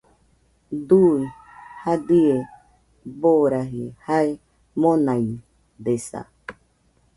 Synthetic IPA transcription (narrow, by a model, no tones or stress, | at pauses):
d̪ui | had̪ie | boɾaɦihae | mõnãi | d̪esa̰